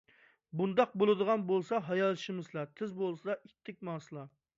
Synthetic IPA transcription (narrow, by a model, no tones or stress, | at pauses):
bund̪ɑq̚bolˠɨd̪əʁɑnbolˠsɑɦɑjɑlˠʃɪmɨzlˠɑt̪ʰɪzbolˠsɨd̪ɑʔit̪ʰːɪk̚ʲmɑːsɨlˠɑ